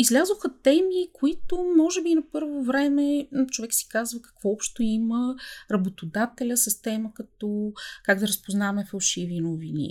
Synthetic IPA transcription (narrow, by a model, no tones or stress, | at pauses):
izlʲazoxət̪ɛmikoit̪omɔʒɛbinɐpɤɾvovɾɛmɛt͡ʃovɛksi̥kazvəkɐ̥kvɔɔpʃt̪oiməɾɐbot̪od̪at̪ɛlʲəsəst̪ɛməkɐt̪ɔkaɡ̚d̪ɐɾəspoznavɐmɛfɐlˠʃivinovinḭ